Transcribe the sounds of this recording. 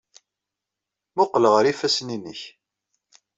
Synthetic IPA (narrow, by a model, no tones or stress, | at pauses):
mʊqːləʁəɾifæsninə̰ç